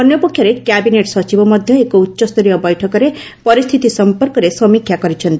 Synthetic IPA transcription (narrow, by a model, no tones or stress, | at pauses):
pʌnjopokʰjʌɾekjabineʈsʌt͡ʃibʌmʌd̪ʱjʌekout̪ːsʌst̪iɾijʌbʌjʈʰʌkʌɾe | pʌɾist̪ʰit̪isʌmpʌrkʌɾesʌmikʰːjakʌɾit͡sʰʌnt̪i